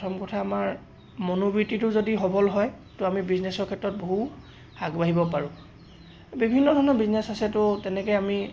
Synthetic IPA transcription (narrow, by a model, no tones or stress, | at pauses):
tʰɔmkɔtʰaːmaɹ | monobɹititʊzodiɦɔbɔlɦɔj | tʊamibiznɛsɔkʰɛtɹɔt̚boɦu | haɡbaɦibɔpaɹʊ̃ | bibʱinːɔdʱɔɹnɔbiznɛsasɛtʊtɛnɛkɔjami